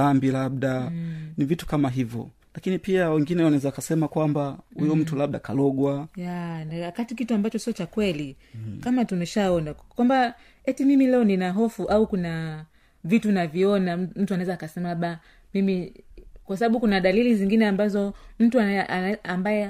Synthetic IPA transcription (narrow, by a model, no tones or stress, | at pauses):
ambilab̚ɗanivitu̥kamaɦivjɔ̰ | lakinipiawɛŋɡinɛwanaɛzaakasɛmakwambahujɔm̩tulaɓ̚ɗaka̰lɔɠwajanawakatikituambat͡ʃɔsiɔt͡ʃakwɛli | kamatunɛʃaɔnakwamba | ɛtimimilɛɔninaɦɔfuʔaukuna | vitunaviɔnam̩tuanaɛzaːkasɛmalaɓa | mimikwas̬aɓaɓukunaɗaliliziŋɡinɛambazɔm̩tuaambajɛ